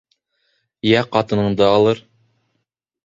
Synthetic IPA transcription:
jæqɑt̪ɤ̆nɤ̆ɴd̪ɤɑlˠɤɾ

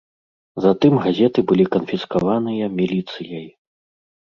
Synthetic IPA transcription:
zɐt̪ɨmɣazʲɛt̪ɨbɨlʲikɐnfʲiskavanɨjɐmʲilʲit̪sɨjɐj

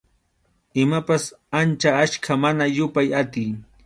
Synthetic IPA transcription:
ɪmapasant͡ʃaaʃkʰamanajʊpajat̪ɪj

